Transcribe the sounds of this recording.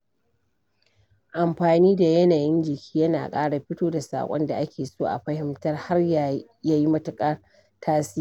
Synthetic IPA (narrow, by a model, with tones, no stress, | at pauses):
ʔa˨mɸaː˨niː˦da˨jɐ˦naː˨jɪ˦nd͡ʒɪ˨kʲʰi̥ː˦jɐ˦na̰ː˨kʼaː˦ɽa˨ɸɪ˦toː˦da˨sa̰ː˨kʷʼɔ̰˦nda̰˨ʔa˦kʲeː˨soː˦ʔa̰˨ɸɐ˦hɪ˦mtɐ˦rha˦rja˨ | jaː˦ji˦mɐ˦tʊ˨kʼɐ˦r | tʰaː˦si˦˨